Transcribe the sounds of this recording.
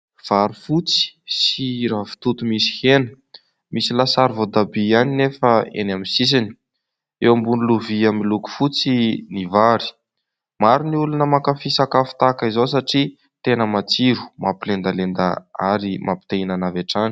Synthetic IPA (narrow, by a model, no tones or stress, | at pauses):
v̥aɾifut͡si̥siɾavi̥t̪ut̪umisi̥henə̥ | misilasaɾvod̪abianinefəḛnaminsis̬ini̥ | ewambuniluviamiluku̥fut͡sinivaɾi̥ | maɾiniulunəmakəfisakafu̥t̪akəizows̬aʈ͡ʂi | t̪enəmat͡siɾu̥mapilend̪alend̪a̰aɾimʔapi̥t̪einanaveʈ͡ʂani̥